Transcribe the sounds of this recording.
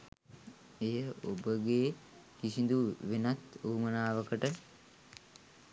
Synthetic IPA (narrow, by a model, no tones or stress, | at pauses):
ejəo̰bəɡeː | kisind̪uʋenat̪uːmənaːʋəkəʈə